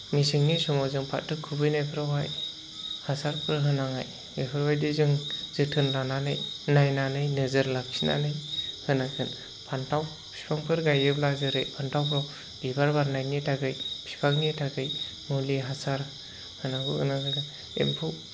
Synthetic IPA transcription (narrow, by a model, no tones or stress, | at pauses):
ŋisɯŋnisɔmɔzɯŋpʰa̰tʰːɯkʰubɯjnajpʰɯɾawɦaj | hasaɾpʰɯɾɦɯnaŋa̰j | epʰɯɾwajdizɯŋzɯtʰɯnlananɯjnajnanɯjnɯzɯɾlak̚sina̰nɯjhɯnakʰɯn | pʰantʰaw | pʰi̥pʰaŋpʰɯɾɡajɯblazɯɾɯjpʰantʰawpʰɾaw | bibaɾbaɾnajnitʰaɡɯjpʰi̥pʰaŋnitʰaɡɯj | ŋuliɦasaɾ | hɯnaɡuɯ̰naɡɯɡa | ḛmpʰuw